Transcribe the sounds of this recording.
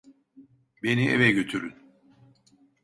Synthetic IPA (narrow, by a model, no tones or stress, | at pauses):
be̞niʔḛvɛɟøt̪ʰyɾyn